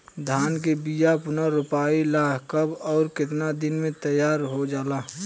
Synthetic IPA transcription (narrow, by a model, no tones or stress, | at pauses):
d̪ʱaːnkebijapʊnaɾʊpaːilaːkʰkəbɔːɾkɪt̪nad̪ɪnmẽt̪əjːaːɾɦod͡ʒaːlaː